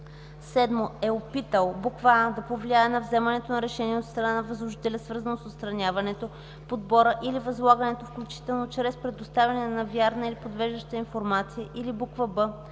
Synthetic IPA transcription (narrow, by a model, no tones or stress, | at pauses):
sɛd̪moɛopit̪əlˠbukvand̪ɐpovliaɛnɐvzɛmɐnɛt̪onɐɾɛʃɛniɛot̪st̪ɾɐnanɐvɐzlˠoʒit̪ɛlʲəsvəɾzɐnosot̪st̪ɾɐnʲavɐnɛt̪o | pod̪bɔɾəʔilivɐzlˠaɡənɛt̪ofklʲut͡ʃi̥t̪ɛlˠnot͡ʃɾɛspɾɛd̪ost̪avʲjɐnɛnɐvʲjaɾnəilipod̪vɛʒd̪əʃt̪əinfoɾmat̪sijəʔilibukvəbɤ